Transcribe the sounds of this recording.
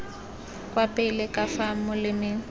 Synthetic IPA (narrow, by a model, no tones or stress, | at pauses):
kʼwapɛlɪkʼafamʊlɪmɪ